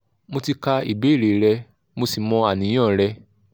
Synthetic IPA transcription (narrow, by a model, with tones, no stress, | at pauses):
mo˧ti˧ka˧ḭ˨be˨˦˨ɾe˨ɾɛ˧ | mo˧si˨mɔ̃˧a˨nĩ˨˦j̃ã˦˨ɾɛ˧